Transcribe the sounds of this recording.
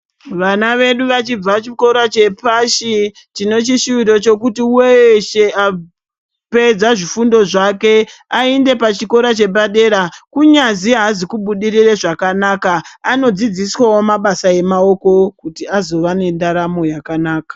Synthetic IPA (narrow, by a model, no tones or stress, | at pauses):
ʋanaʋe̞ɗuʋat͡ʃib͡vat͡ʃiko̞ɾat͡ʃe̞paʃi | tino̞t͡ʃiʃuito̞t͡ʃo̞kutiuweʃe̞a | pe̞d͡zaʐifundo̞ʐake̞aende̞pat͡ʃiko̞ɾat͡ʃe̞ɓaɗe̞ɾakuɲaziaːzikuɓuɗiriraʐakanakaano̞d͡zid͡ziswawo̞maɓasaje̞mao̞ko̞kutiazo̞ʋane̞ndaɾamo̞jakanaːkḁ